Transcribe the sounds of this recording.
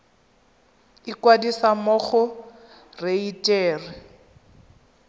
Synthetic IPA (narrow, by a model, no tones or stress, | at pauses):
ɪkwadisamɔχɔ | reitʼɛːrɪ